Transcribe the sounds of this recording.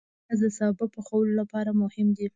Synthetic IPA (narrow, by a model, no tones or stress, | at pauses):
azd̪əsɑbɪpəxawəlolapɑɾamʊhɪmd̪i